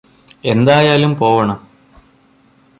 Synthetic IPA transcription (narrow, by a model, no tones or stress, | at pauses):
e̞nd̪aːjaːlumpo̞ːʋɐɳɐm